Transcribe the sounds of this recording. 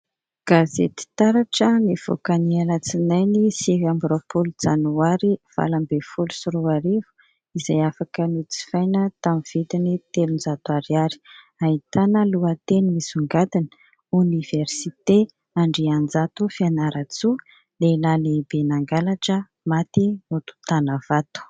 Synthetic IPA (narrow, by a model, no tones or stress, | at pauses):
ɡ̥azḛt̪i̥t̪aɾaʈ͡ʂəniv̥o̰kanielət͡sinajnisevambɾopolud͡zanuaɾiv̥a̰lambefulu̥suɾuaɾivu̥ | izajafakənit͡si̥fajnət̪amiv̥it̪init̪elund͡zat̪uaɾaɾi̥ | aɦit̪anəluət̪enimisuŋɡad̪inə̥ | univ̥ersit̪e | aɳɖ͡ʐiand͡zat̪ufianaɾat͡su | lelalebenaŋɡalaʈ͡ʂə | mat̪imut̪u̥t̪anəvat̪u̥